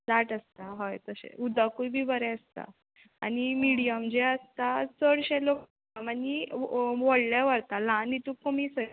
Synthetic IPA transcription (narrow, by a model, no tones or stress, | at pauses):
d͡zaʈəst̪aɦɔjt̪əɕḛud̪ʱakuibʱibəɾɛ̃əst̪a̰ | a̰ñimiɽijəmd͡ʑeəst̪at͡səɽɕelo | aməniʋɔɽlaʋəɾt̪alãnːit̪ũkomisə